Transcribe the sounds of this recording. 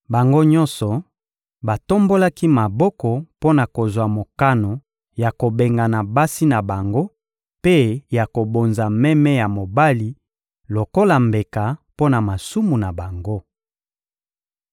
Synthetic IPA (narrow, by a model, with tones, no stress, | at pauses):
ba˨ŋɡo˦ɲɔ̃˦nsɔ˨ | ba˨to˦mbo˦la˦ki˦ma˨bɔ˦kɔ˨po˦na˨ko˨zwa˨mo˨ka˦no˨ | ja˨ko˨be˨ŋɡa˨na˨ba˦si˦na˨ba˨ŋɡo˦ | pe˦ja˨ko˨bo˨nza˨mɛ˦mɛ˦ja˨mo˨ba˦li˨ | lo˨ko˦la˨mbe˨ka˨po˦na˨ma˨su˦mu˨na˨ba˨ŋɡo˦